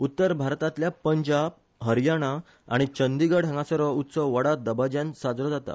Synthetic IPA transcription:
ut̪ːəɾbʱaɾt̪at̪ljapəɲd͡ʑab̚ | ɦəɾjaɽ̃a | a̰ɽ̃it͡ɕənd̪iɡəɽ̤ə̃ŋɡãsəɾəut̪səʋəɽad̪əbad͡ʑansad͡zɾɔd͡zat̪a̰

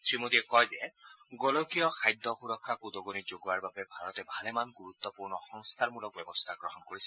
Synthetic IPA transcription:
tɹimod̪iɛkɔjzɛɡolokijɔxʰajd̪ːɔxuɾɔkʰːakud̪ɔɡonid͡ʒoɡuaɹbabɛbʱaɹɔt̪ɛbʱalɛmanɡuɾut̪ːɔpuɹnɔxɔŋst̪ʰaɹmulɔk̚bɛbɔst̪ʰaɡɹɔɦɔnkoɹisɛ

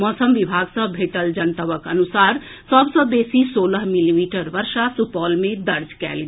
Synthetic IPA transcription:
mɔːsəmʋibʱaːɡsə̃bʱeːʈəld͡ʒənt̪əʋəkənusaːɾ | səbsə̃beːsisoːləɦmilimiːʈəɾʋəɾʃasupɔːlmẽd̪əɾd͡ʒkɛ̰ːlɡ

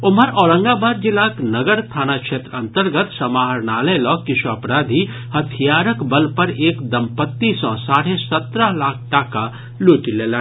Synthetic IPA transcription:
oməɾɔːɾə̃ŋɡabaːd̪̚d͡ʒilaːknəɡəɾt̪ʰaːnakʃʰeːt̪ɾənt̪əɾɡət̪səmaɦəɾnaləjlɔkɪsuɐpɾaːd̪ʱi | hət̪ʰijaːɾəkbəlpəɾeːkd̪əmpət̪ːisɔ̃saːɽesət̪ɾəɦlaːk̚ʰʈaːka | luʈilelã

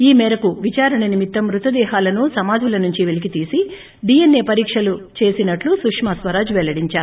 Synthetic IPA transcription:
iːmɛːɾɐkuʋit͡ʃaːɾɐɳɐnimit̪ːɐmɾut̪ɐd̪ɛːɦaːlɐnusɐmaːd̪ʱulɐnuɲt͡ʃiʋelik̬it̪iːsi | ɖijenːe̞ːpɐɾiːkʂɐlut͡ʃe̞ːsinɐʈlusukʂmaːsʋɐɾaːd͡ʒʋɛlːɐɽiɲt͡ʃaːɾu

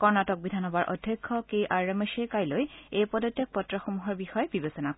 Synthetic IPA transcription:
kɔɹnatɔk̚bidʱanɦɔbaɹʔɔ̰dʱjɔkʰːɔkeʔaɹemesekajlojejpɔdɔtːjɔk̚pɔtːɹɔxomuɦɔɹbixɔjɛbibesɔnak

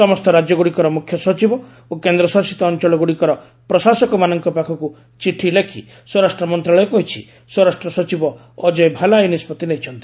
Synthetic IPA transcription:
sɔmɔst̪ɔɾad͡ʒjɔɡuɽikɔɾɔmukʰjɔsɔt͡ʃibɔ | okend̪ɾɔsɔɾsit̪ɔːnt͡ʃɔɭɔɡuɽikɔɾɔ | pɾɔsasɔkɔmanɔŋkɔpakʰɔku | t͡ʃiʈʰilekʰḭ | swɔɾasʈɾɔmɔnt̪ɾaɭɔjɔkɔɦit͡ʃʰḭ | swɔɾasʈɾɔsɔt͡ʃibɔː | d͡ʒɔjbʱalajunispɔt̪ineɦit͡ʃʰɔnt̪i̥

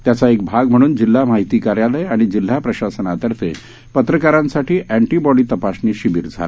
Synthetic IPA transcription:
t̪jat͡saek̚bʱaɡm̤əɽ̃uːnd͡ʑil̤ːamaɦit̪iːkaɾjaləjaɽ̃id͡ʑil̤ːapɾəɕasənat̪əɾfʰḛ | pət̪ɾəkaɾãnsaʈiːʔæɳʈibɔɽiːt̪əpasniːɕiʋiːɾd͡zʱa̰la

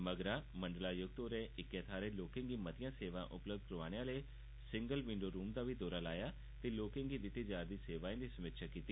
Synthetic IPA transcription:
məɡɾaːmə̃ɳɖlaːjʊɡ̚t̪oːɾẽːʔɪkːẽːt̪ʰaːɾeːloːkɪ̃ːŋɡiːmət̪ɪjãːseːʋã̰ːʔʊpləb̚d̪̚kɾoʋaːɽ̃ejãːleː | sɪ̃ŋɡəlʋɪ̃ɳɖoːɾuːmd̪aːʋiːd̪oːɾaːlaːjaː | t̪eːloːkɪ̃ːŋɡiːd̪ɪt̪ːiːd͡ʒaːɾd̪iːseːʋaːẽːd̪iːsəmɪt̪ʃaːkiːt̪iː

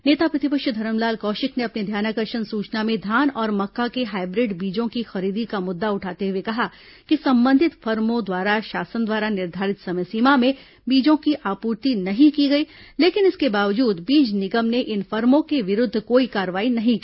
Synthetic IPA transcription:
neːt̪apɾɐt̪ɪpəkʃd̪ʱɐɾəmlaːlkɔːʃɪkneɐpnid̪ʱjaːnakɐɾʃənsuːt͡ʃnamẽd̪ʱaːnɔːɾmɐkːakeɦaːɪbɾɪɖbiːd͡ʒõkixɐɾiːd̪ikamʊd̪ːaʊʈʰaːt̪eɦuwekɐɦa | kisɐ̃mbə̃nd̪ʱɪt̪fɐɾmõd̪waːɾaʃaːsənd̪waːɾanɪɾd̪ʱaːɾɪt̪sɐmjsiːmamẽ | biːd͡ʒõkiʔaːpuːɾt̪inɐɦĩkiɡɐiːleːkɪnɪskebaːʋəd͡ʒuːd̪biːd͡ʒnɪɡəmneʔɪnfɐɾmõkeʋɪɾʊd̪ʱːkoːikaːɾəʋaːinɐɦĩkː

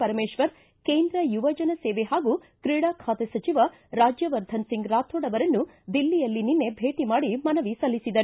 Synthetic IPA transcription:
pɐɾɐmeːʃʋɐɾ | keːnd̪ɾɐjuʋɐd͡ʒɐnɐseːʋeɦaːɡu | kɾiːɽaːkʰaːt̪esɐt͡ʃiʋɐ | ɾaːd͡ʒjɐʋɐɾd̪ʱɐnsiŋɡɾaːt̪ʰoːɽɐʋɐɾɐnːu | d̪ilːijɐlːininːe̞bʱe̞ːʈimaːɽimɐnɐʋisɐlːisid̪ɐɾ

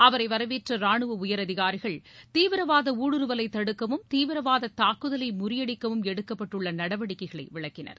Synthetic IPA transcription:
ɐʋɐɾɐɪʋɐɾɐʋeːʈrɐɾaːɳɯʋɐʊjɐɾɐðɪɣaːɾɪɣɐɭt̪iːʋɪɾɐʋaːðɐuːɽɯɾɯʋɐlɐɪt̪ːɐɽɯkːɐʋɯmt̪iːʋɪɾɐʋaːðɐt̪aːkːɯðɐlɐɪmʊɾɪjɐɽɪkːɐʋɯmɛɽɯkːɐpːɐʈːɯɭːɐnɐɽɐʋɐɽɪkːɐɪɣɐɭɐɪʋɪɭɐkːɪnɐ̰ɾ

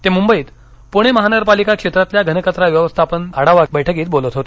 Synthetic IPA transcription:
t̪emumbəiːt̪ | puɽ̃eməɦanəɡəɾpalikakʂet̪ɾat̪ljaɡʱənəkət̪ɾaʋjəʋəst̪ʰapəɳaɽ̤aʋakbəjʈʰəkiːt̪̚bolət̪ɦot̪e

